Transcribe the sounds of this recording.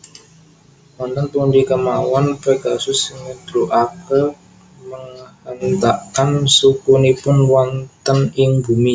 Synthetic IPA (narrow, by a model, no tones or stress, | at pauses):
want̪ənt̪undikəmawanpeɡasʊsɪŋəd̪̥ɾuʔakə | məŋhənd̪aʔkansukunipʊnwant̪ənɪŋbumi